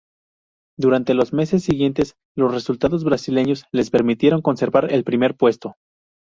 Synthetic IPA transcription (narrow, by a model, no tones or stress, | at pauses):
d̪uɾant̪e̞lo̞zme̞se̞sːiɣje̞nt̪e̞s | lo̞sre̞sult̪aðo̞zβɾasile̞ɲo̞sle̞spe̞ɾmit̪je̞ɾo̞ŋko̞nse̞ɾβaɾelpɾime̞ɾpwe̞st̪o̞